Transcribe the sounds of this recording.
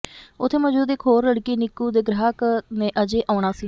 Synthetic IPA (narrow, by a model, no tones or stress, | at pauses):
ʊt̪ʰːeːməd͡ʒuːd̪eːkʰoːɾləɽkiːnɪkːuːd̪eːɡɾəɦknẽːʔəd͡ʒeːʔaːɳaːsiː